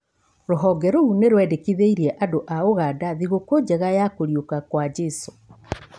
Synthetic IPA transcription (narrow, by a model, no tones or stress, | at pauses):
ɾoɦɔɡɛɾoɣuneɾwɛːdekiðeiɾiɛʔadoʔaoɣadaðiɣokod͡ʑɛɣajakoɾjokakwad͡ʑɛso